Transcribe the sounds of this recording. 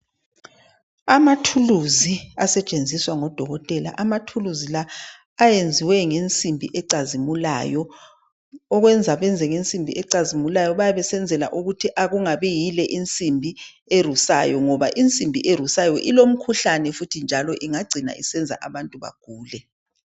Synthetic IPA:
amatʰuluziasɛt͡ʃʼend͡zʱiswaŋɔd̥ʱɔɣɔtʼɛla̰ʔamatʰuluzilaː | jend͡zʱiwɛŋent͡sʼimbʱiʔɛǀazimula̰jɔ | ɔɣwɛnd͡zʱaβɛnd͡zʱɛŋent͡sʼimbʱḭʔɛǀazimulajɔβajaβɛsɛnd͡zʱɛla̰ʔuɣutʰiʔaɣuŋaβɛjilɛʔint͡sʼimbʱi | er̤usa̰jɔŋɔβaʔint͡sʼimbʱḭʔerusajɔʔilom̩kʰuɬanɛfutʰind͡ʒʱalɔʔiŋaɡ͡ǀʱina̰isɛnd͡zʱa̰ʔaβantʼuβa̰ɡ̥ʱuːlɛ

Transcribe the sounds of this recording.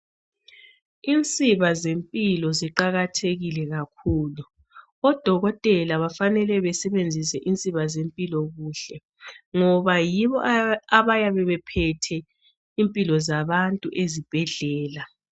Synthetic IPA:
int͡sʼiβazempʼilɔziǃaɣatʰeɣilɛɣakʰuːlu | ɔd̥ʱɔɣɔtʼɛlaβafanɛlɛβɛsɛβend͡zʱisɛʔint͡sʼiβazempʼilɔɣuːɬɛ | ŋɔβajiβɔʔaβajaβɛβɛpʰɛtʰɛ | impʼilɔzaβantʼuʔezib̥ʱɛɮɛːla

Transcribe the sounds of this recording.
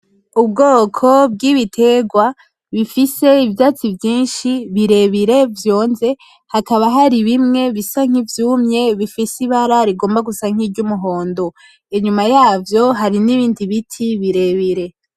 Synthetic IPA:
ub̚ɡoːkʰo̞b̚ɡiːβitʰe̞ɡwa | βifise̞ivjaːt͡sivjiːnʃiβiɾe̞βiɾe̞vjo̞ːnze̞ | hakaβaɦaɾiβimŋe̞βisaŋ̥ivjuːmɲe̞βifisiβaɾaɾiɡo̞ːmbaɡusaŋ̥iɾɟumuɦo̞ːndo | eɲumajaːvjo̞ɦaɾiniβiːndiβitʰiβiɾe̞βiɾe̞

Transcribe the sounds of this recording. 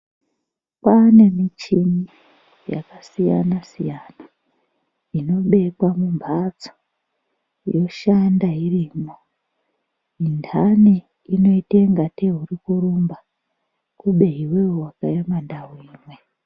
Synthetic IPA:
pane̞mit͡ʃimi | ja̰kasijanasijana | ino̞ɓe̞kwamumbʱat͡so̥ | jo̞ʃandairiːmo | indʰani | ino̞iteŋɡateɦuɾikuɾumba | kuɓe̞ɦiwewakajamandaɦuiːmwe̞

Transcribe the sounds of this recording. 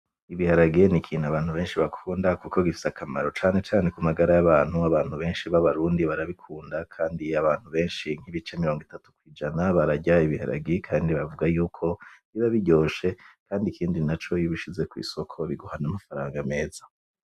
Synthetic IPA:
iβihaɾaɡenikʰiːnaβaːnhuβe̞ːnʃiβakʰuːndakukoɡifi̥sakʰama̰ɾo̞t͡ʃaːne̞t͡ʃaːnekumaɡaɾajaβaːn̥huaβaːn̥huβe̞ːnʃiβaβaɾuːndiβaɾaβikʰuːndakʰaːndiaβaːn̥huβe̞ːnʃiŋ̥hiβit͡ʃe̞miɾo̞ːŋɡitatu̥kwiːd͡ʒanaβaɾaɟaiβiha̰ɾʔa̰ɡikʰaːndiβavuɡajuːkʰo̞βiβaβiɟo̞ːʃe̞kaːndikʰiːndinat͡ʃo̞jiβiʃize̞kwḭːso̞kʰo̞βiɡuhanamafaɾaːŋɡame̞ːza

